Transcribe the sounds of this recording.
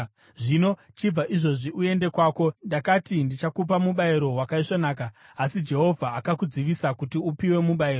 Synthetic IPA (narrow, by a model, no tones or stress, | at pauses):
ʐino̞ | t͡ʃib͡vaʔiʐo̞ʐiʔue̞nde̞kwaːko̞ndakatindit͡ʃakup̬amuɓaiɾo̞ɦwakaiʂonaːk̬aːsid͡ʒe̞ɦo̞vʱaːkakud͡ziʋisakutiupiwe̞muɓaiɾo